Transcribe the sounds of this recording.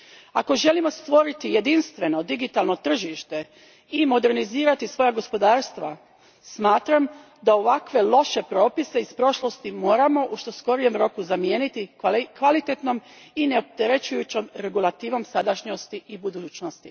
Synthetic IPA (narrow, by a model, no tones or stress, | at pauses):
ako̞ʒe̞limo̞st̪ʋo̞ɾit̪ije̞d̪inst̪ʋe̞no̞d̪iɡit̪alˠno̞t̪r̩ʒiʃt̪e̞ | imo̞d̪e̞ɾniziːɾat̪isʋo̞jaɡo̞spo̞d̪aːɾst̪ʋa | smaːt̪ɾam | d̪aoʋakʋe̞lˠo̞ʃe̞pɾo̞ːpise̞ispɾo̞ʃlˠo̞st̪imo̞ːɾamo̞ʔuʃt̪o̞sko̞ɾije̞mɾo̞kuzamjeːnit̪ikʋalit̪e̞t̪no̞m | ine̞op̚t̪eɾe̞t͡ɕujut͡ɕomɾe̞ɡulˠat̪iːʋo̞msad̪aʃɲost̪iibud̪uːt͡ɕnost̪i